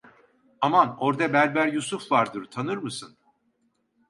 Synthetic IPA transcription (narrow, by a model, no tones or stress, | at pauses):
amano̞ɾd̪abæɾbæɾjusufvaɾd̪ɯɾt̪ʰanɯɾmɯsɯn